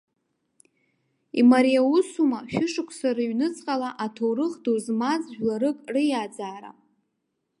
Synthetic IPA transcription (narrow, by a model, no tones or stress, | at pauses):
ḭmaɾijausumaʃᶣʏʂɨkʷʰsaɾaɥnɨt͡sʼqʼalaʔatʰowrɨχdozmazʒᶣlaɾɨkʼrɨjad͡zaːɾa̰